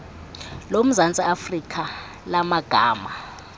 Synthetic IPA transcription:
lom̩zant͡sʼiafrikʰa | lamaɡ̥ʱaːma

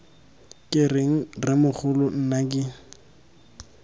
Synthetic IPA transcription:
kʼɪrɪŋ̩rɪmʊk͡xʰʊlʊn̩nakʼɪ

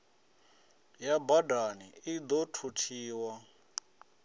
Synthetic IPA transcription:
jabadaniid̪ɔtʰutʰiːwa

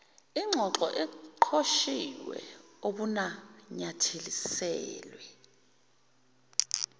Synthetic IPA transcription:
iŋ͡ǀʱɔǁɔʔɛǃʰoʃiwɛ̰oɓunaɲatʰelisɛːlwɛ

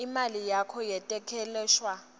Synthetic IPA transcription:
imalijakʰɔjɛtʼɛkʰɛlɛːʃwa

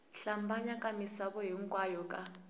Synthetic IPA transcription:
ɬambaɲakʼamisaɓɔɦiŋkʼwajɔkʼa

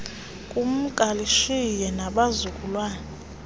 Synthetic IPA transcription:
kʼum̩ɡ̥ʱaliʃijɛnaɓazukʼulwaːnɛ

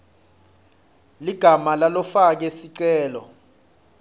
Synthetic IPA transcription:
liɡ̥ʱamalalɔfak̬esiǀɛːlɔ̰

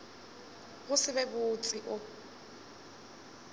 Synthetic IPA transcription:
ɣʊsɪbɛbʊt͡sʼiʔʊ

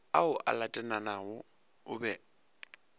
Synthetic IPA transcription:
aʊʔa̰latʼɛnanaʊ | ʊbɛ

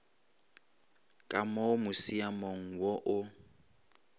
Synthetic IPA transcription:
kʼamɔmʊsiamɔŋ̩wɔʔʊ

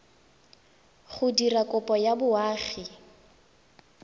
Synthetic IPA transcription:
χʊdirakʼʊpʼɔjabʊaːχi

